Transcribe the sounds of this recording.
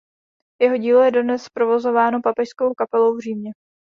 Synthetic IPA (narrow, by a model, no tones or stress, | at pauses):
jɛɦo̞ɟiːlo̞jɛdodnɛspɾo̞vo̞zo̞vaːno̞papɛʃskowkapɛlo̞wvriːmɲɛ